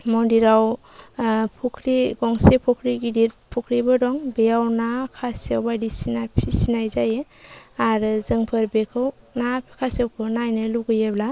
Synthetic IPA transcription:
mɔndiɾaw | pʰɔkʰɾiɡɔŋsepʰɔkʰɾiɡidiɾpʰɔkʰɾibɯdɔŋbejawnakʰasiawbajdisinapʰisinajzajeaɾzɯŋpʰɯɾbekʰɯw | nakʰasiawkʰɯnajnɯluɡɯjebla

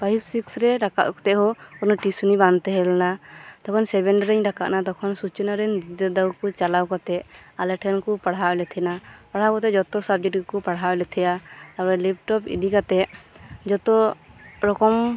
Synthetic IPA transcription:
pʰajbsiksɾɛɾaka̰ʔkɔ̥t̪ɛʔɦɔɔnɔʈisunibant̪ɛɦɛlnat̪ɔkʰɔnsɛbɛɳɖɾɛɲɖaka̰ʔnat̪ɔkʰɔnsut͡ʃɔnaɾɛɲd̪id̪ɔd̪awkɔt͡ʃalawkat̪ɛʔalɛʈʰɛnkɔpaɽɦaɛlɛt̪ʰɛnapaɽ̤awkɔt̪ɛd͡ʒɔt̪ɔsabd͡ʒɛʈkupaɽɦawɛlɛt̪ʰɛjaaɾɛlip̚ʈɔpḭd̪ikat̪ɛʔd͡ʒɔt̪ɔɾɔkɔm

